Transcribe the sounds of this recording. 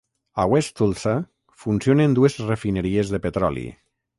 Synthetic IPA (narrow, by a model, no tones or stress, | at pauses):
awɛst̪ulˠsa | funsionend̪uezrefineɾiezðepet̪ɾɔlḭ